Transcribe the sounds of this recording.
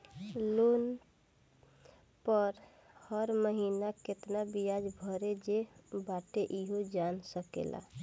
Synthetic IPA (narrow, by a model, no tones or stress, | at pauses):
lon | pəɾ | həɾməɦinaket̪nabijad͡ʒbʱəɾed͡ʒebaʈeʔiɦod͡ʒansəkḛla̰